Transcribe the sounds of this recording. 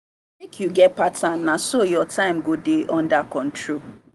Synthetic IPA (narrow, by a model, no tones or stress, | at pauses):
mekʰjuɡɛt̚patʰannasojɔtʰãɪ̃mɡodeʔɔ̃ndakɔ̃n̩tʰɹo